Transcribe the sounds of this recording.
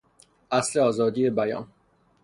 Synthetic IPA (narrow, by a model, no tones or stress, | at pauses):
ʔæsle̞ɒːzɒːd̪iːje̞bæjɒ̰ːn